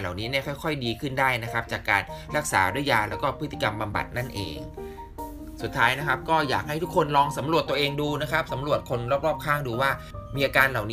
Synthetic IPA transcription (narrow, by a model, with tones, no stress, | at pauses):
la̰˨˩wniː˦˥ni˥˩kʰɔ˥˩jkʰɔ˥˩jdiː˧kʰɯ˥˩ndaː˥˩jna˦˥kʰa˦˥p̚t͡ɕaː˨˩kːaː˧nɾa˦˥k̚saː˩˦du˥˩əjaː˧lɛː˦˥wkɔː˥˩pʰɯ˦˥t̪ʰːi˧˩ka˧mba˧mba̰˨˩t̪̚na˥˩nʔḛː˧ŋ | su˨˩t̪ʰːaː˦˥jna˦˥kʰa˦˥p̚kɔː˥˩ja̰ː˨˩k̚ha˥˩jt̪ʰu˦˥kʰːo˧nlɔː˧ŋsa˩˦mɾu˨˩ət̪ːu˧əʔeː˧ŋduː˧na˦˥kʰa˦˥p̚sa˩˦mɾu˨˩ət̪̚kʰo˧nɾɔː˥˩p̚ɾɔː˥˩p̚kʰaː˥˩ŋduː˧waː˥˩ | miː˧ʔaː˧kaː˧nla˨˩wniː˦